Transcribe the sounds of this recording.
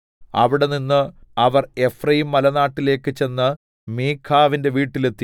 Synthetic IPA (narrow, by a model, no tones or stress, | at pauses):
ɐ̰ʋiɽe̞ninːɨɐʋɐre̞frɐjumːɐlɐnaːʈːile̞ːkːɨt͡ɕe̞nːɨ | miːkʰːaːʋinde̞ʋiːʈːile̞t̪ːi